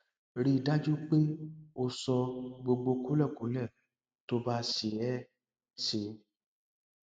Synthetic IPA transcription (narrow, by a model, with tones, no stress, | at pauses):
ɾi˧˨da˦d͡ʒu˦k͡pe˦o˧sɔ˧ɡ͡bo˧ɡ͡bo˧ku˦lɛ˦˨ku˨˦lɛ˦˨ | to˧˦ba˦ʃe˨ɛ˦ | se˧